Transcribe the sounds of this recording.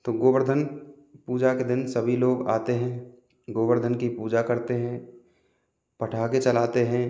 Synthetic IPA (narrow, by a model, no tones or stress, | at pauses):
t̪oːɡoːbəɾd̪ʱən | puːd͡ʒaked̪ɪnsəbʱiloːɡa̰ːt̪eɦɛ̃ | ɡoːbəɾd̪ʱənkipuːd͡ʒakɐɾt̪eɦɛ̃ː | pɐʈʰaːket͡ʃɐlaːt̪eɦɛ̃ː